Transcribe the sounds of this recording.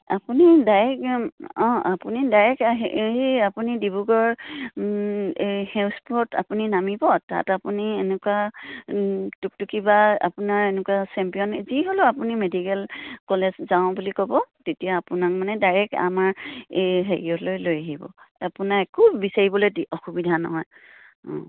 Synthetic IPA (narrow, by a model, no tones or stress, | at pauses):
apunidajɹɛkɔ̃apunidajɛkaɦiiapunidibuɡɔɹ | hɛʊspuɔta̰puninamibɔta̰tapunienɛkua | tuk̚tukibaa̰punaɹenɛkwasɛmpijɔnziɦolʊapunimedikɛlkɔlezzaʊ̃bulikɔbɔtetijaːpunak̚manɛdajɹɛka̰maɹ | ɦeɹiɔtlojlojaɦibɔ̰apunaekʰuːisaɹibɔlojdɔxubidʱanɔ̰ɦɔj | ɔ̰̃